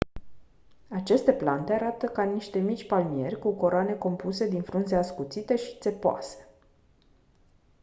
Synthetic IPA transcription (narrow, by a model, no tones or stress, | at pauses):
at͡ʃe̞st̪e̞plant̪e̞aɾat̪əkaniʃt̪e̞mit͡ʃʲpalmie̞rʲkuko̞ɾoane̞ko̞mpuse̞d̪infɾunzeaskut̪sit̪e̞ʃi̥t̪se̞poa̰se̥